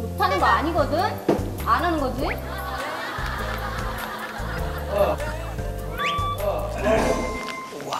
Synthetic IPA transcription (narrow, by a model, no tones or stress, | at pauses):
mutʰanɯnɡʌaɲiɡʌdɯn | ananɯnɡʌd͡ʑi